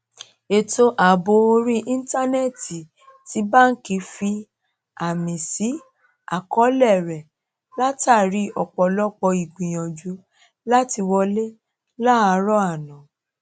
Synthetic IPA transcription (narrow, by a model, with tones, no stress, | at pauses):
e˧to˧ʔa˨bo˧˦o˧ɾi˦ʔĩ˦n̩˦ta˦nɛ˦˨ti˨ | ti˨˧˦ba˦n̩˦ki˧˦fi˧ | a˨mĩ˨si˨˦ | a˨kɔ˨˦lɛ˦˨ɾɛ˨ | la˦ta˦˨ɾi˦ɔ˨k͡pɔ˨lɔ˦k͡pɔ˧i˨ɡ͡bĩ˨j̃ɔ̃˨d͡ʒu˨˦ | la˦ti˧wɔ˧le˦ | la˦a˧ɾɔ˦a˦˨nã˨